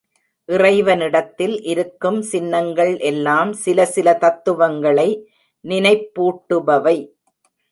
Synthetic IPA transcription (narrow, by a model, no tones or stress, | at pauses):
ʔɪrɐɪʋɐnɪɽɐt̪ːɪlʔɪɾɯkːɯmsɪnːɐŋɡɐɭʔɛlːaːmsɪlɐsɪlɐt̪ɐt̪ːɯʋɐŋɡɐɭɐɪ | nɪnɐɪpːuːʈːɯʋɐʋɐɪ